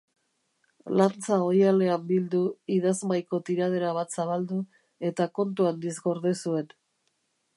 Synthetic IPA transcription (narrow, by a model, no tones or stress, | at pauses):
lant͡sao̞jale̞ambild̪uiðazmajko̞t̪iɾað̞e̞ɾaβ̞at̪saβald̪u | e̞t̪ako̞nt̪uand̪izɡo̞ɾðesue̞n